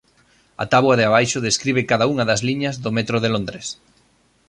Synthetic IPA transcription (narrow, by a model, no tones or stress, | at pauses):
ɐ̰t̪aβwɐðeaβajʃʊðeskɾiβ̞ɪkaðɐuŋɐðɐzliɲɐzðʊmet̪ɾʊðelõnd̪ɾes